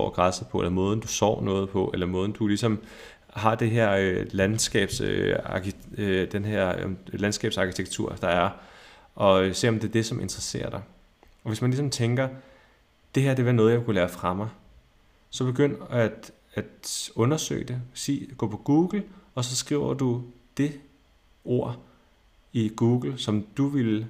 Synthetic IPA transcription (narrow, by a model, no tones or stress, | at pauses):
ɔ̰ɡ̥ʁɑsð̩ˠpʰɒ̽ʔelɐmɔ̽ːð̞ˠn̩d̥usɒ̰ːnɔ̽ːð̞̩ˠpʰɒ̽ʔelɐmɔːð̞ˠn̩d̥ulisɒ̽m | ɦɑ̈d̥e̝ɦeɐ̰ølænsɡ̥ɛ̰ːb̥søɑ̰̈kid̥enɦeɐ̰lænsɡ̥ɛ̰ːb̥sɑ̈kʰi̥t͡sʰeɡ̥̚t͡sʰuɐ̰d̥ɑ̈æɐ | ʔɒ̽se̝̰ːɒ̽md̥e̝d̥e̝sɒ̽mʔe̝nd̥ʁɐse̝̰ːɐd̥ɑ̈ɪ | ɒ̽ʋe̝smænlisɒ̽mt͡sʰeŋɡ̥ɐ | d̥e̝hæɐd̥e̝ʋɑnɔð̞̩jɑ̈kulæːɐfʁɑ̈mɑ̈ɪ | sɒ̽b̥e̝ɡ̥øn̰æ̥ | æd̥ɔ̽nɐsø̰ɡd̥e̝sḭːɡ̥ɔ̰̽ːpʰɒ̽ɡ̥uːɡ̥l̩ɒ̽sɒ̽sɡ̥ʁḭʊɐd̥u | d̥e̝ | o̝ɐ̰ | iɡ̥uːɡ̥l̩sɒ̽md̥uʋel